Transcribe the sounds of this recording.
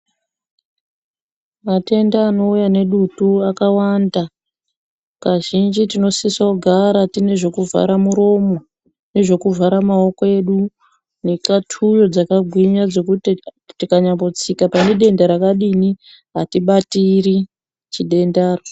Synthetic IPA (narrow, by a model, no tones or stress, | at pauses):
mate̞ndaːno̞ujane̞ɗutuakawanda | kaʒind͡ʒitino̞sisaɡʱaɾatine̞ʐo̞kuva̰ɾamuɾo̞mo | ne̞ʐo̞kuvaɾamao̞koe̞ɗu | nekatʰujo̞d͡zakaɡʱwiɲad͡zo̞kuti | tikaɲambot͡sikapaneɗe̞ndaɾakaɗini | ɦatiɓatiri | t͡ʃiɗe̞ndaːro